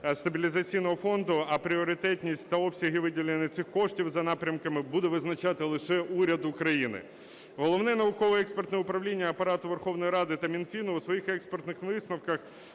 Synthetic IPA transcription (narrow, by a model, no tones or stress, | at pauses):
st̪ɐbʲilʲizɐt͡sʲijnɔɦɔfɔnd̪ʊɐpɾʲiɔɾɪt̪ɛt̪ʲnʲisʲtʲt̪ɐɔpsʲɐɦɪʋɪdʲilʲenʲɐt̪sɪxkɔʂtʲiwzɐnɑpɾʲɐmkɐmɪbud̪ɛʋɪznɐt͡ʃɑt̪ɪlˠɪʃɛuɾʲɐd̪ʊkɾɐjinɪ̰ | ɦɔlˠɔʋnɛnɐʋʊkɔʋɨɛkspert̪nɛʊpɾɐʋlʲinʲːɐːpɐɾɑt̪ʊʋerxɔwnɔjɾɑd̪ɪt̪ɐmʲinfʲinʊwsʋɔjixɛkspɛrt̪nɪxʋɪsnɐwkɐx